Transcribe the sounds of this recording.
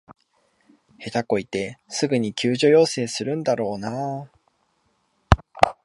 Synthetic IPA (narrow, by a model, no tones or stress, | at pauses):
he̞t̪ako̞it̪e̞sɨɡɯ̟ɲ̟ikʲɨːʑo̞jo̞ːse̞ːsɨɾɯ̟̃nd̪aɾo̞ːna